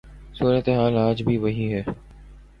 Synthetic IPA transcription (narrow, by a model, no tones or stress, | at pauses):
suːɾət̪eɦaːlaːd͡ʒbʱiʋɐɦiɦɛː